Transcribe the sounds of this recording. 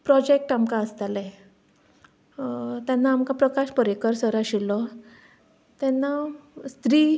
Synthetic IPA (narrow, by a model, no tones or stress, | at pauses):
pɾɔd͡ʑek̚ʈamkãəst̪alɛ | t̪janːaːmkãpɾəkaɕpəɾekəɾsəɾaɕilɔ | t̪ɛnːast̪ɾiː